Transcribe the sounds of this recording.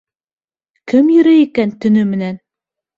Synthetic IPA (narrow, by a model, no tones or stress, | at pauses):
kɘmjɵ̆ɾæikænt̪ɵ̆nɵmɘ̆næn